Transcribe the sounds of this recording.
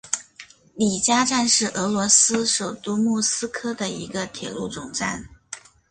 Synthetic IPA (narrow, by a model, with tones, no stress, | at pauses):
li˨˩t͡ɕja˥ʈ͡ʂa˥˧nʂɻ̩˥˩ʔɤ˧˥lwɔ˧˥sɹ̩˥ʂo˨˩ʊt̪u˥mu˥˩sɹ̩˥kʰɤ˥d̪ə˨i˧˥ɡə˧t̪ʰjɛ˨˩lu˥˩ʈ͡ʂʊ˨˩ŋʈ͡ʂa˥˩n